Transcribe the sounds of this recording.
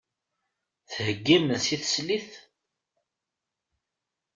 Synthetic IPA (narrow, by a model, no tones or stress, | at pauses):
θhəɡːimənsiθə̥sliθ